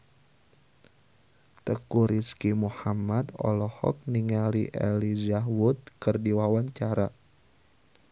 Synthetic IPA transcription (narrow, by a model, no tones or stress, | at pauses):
t̪əkuɾiskimuhamat̪ɔ̰lɔhɔ̰k̚niŋaliʔelizaɦwʊt̪̚kərdiwawaɲt͡ʃaɾa